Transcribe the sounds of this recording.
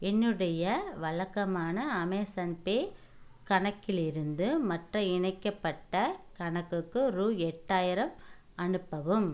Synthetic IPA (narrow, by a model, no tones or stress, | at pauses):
ɛnːɯɽɐjɐʋɐɭɐkːɐmaːnɐːmɐːsɐnpeː | kɐɳɐkːɪlɪɾɯnd̪ɯmɐʈrɐɪɳɐɪkːɐpːɐʈːɐkɐɳɐkːɯkːɯɾuːɛʈːaːjɪɾɐm | ɐnɯpːɐʋɯm